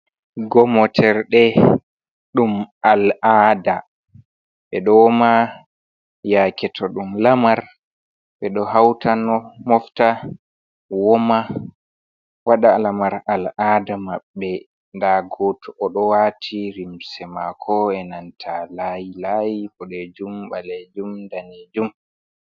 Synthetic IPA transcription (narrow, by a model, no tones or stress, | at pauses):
ɡɔmɔtʰɛɾɗɛ | ɗumalaːda | ɓɛɗɔwɔma | jakɛtʰɔɗumlamaɾ | ɓɛɗɔɦawtanɔmɔfta | wɔma | waɗalamaɾaladamaɓːɛ | ndaɡotuʔɔɗɔwatʰiɾimsɛmakʰɔɛnantʰalajilajikɔɗed͡ʒumɓaled͡ʒumdaned͡ʒum